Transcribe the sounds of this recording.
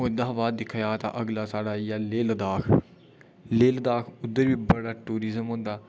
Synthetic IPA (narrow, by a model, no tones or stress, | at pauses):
od̪aːʋaːd̪d̪ɪkʰajaːt̪a̰ʔəɡlaːsaːɽaːjaːleːld̪aːkʰ | leːld̪aːkʰʊd̪ːəɾbiːbəɽaːʈuːɾizəmɦõːnd̪aː